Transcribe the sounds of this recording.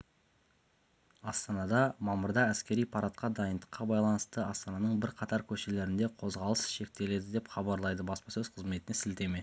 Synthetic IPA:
ɑst̪ɑnɑd̪ɑmɑməɾd̪ɑæskʲe̞ɾijpʰɑɾɑt̪̚qɑd̪ɑjənd̪əqːɑbɑjlˠɑnəst̪əɑst̪ɑnɑnəɴbɪɾqʰɑt̪ɑɾkʲʰɵʃe̞le̞ɾɪnd̪e̞qʰo̞zʁɑlˠəsʃe̞k̚t̪e̞le̞d̪ɪd̪e̞pχɑbɑɾlˠɑjd̪əbɑspɑsɵzqʰəzme̞t̪ɪnesɪlt̪e̞me̞

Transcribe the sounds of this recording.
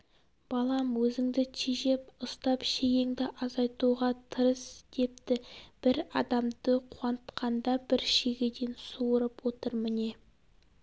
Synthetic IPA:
b̥ɑlˠɑmwɵzɪŋd̪ɪt̪ʰiʒe̞pʊst̪ɑpʃejeŋd̪ɪʔɑzɑjt̪uʁɑt̪ʰəɾəsd̪̥e̞p̚t̪ɪb̥ɪɾɑ̰d̪ɑmd̪əqʰuɑnət̪qʰɑnd̪ɑbɪɾʃeɡʲe̞d̪e̞nsuəɾəpwo̞t̪əɾmɪne̞

